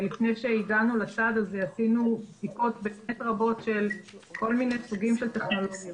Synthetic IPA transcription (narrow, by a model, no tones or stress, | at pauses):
lifne̞jʃe̞iɡanulat͡sad̪azeasinudikot̪bemet̪ʁabo̞tʃe̞lko̞lmine̞jsuɡimʃelt̪e̞χno̞lo̞ɡja